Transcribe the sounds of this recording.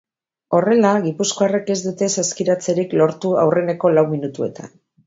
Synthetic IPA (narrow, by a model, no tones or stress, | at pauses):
o̞re̞laɣipuskoare̞ke̞zd̪ut̪e̞saskiɾat͡se̞ɾiklo̞ɾt̪ua̰wre̞ne̞ko̞lawminut̪ue̞̰t̪a̰n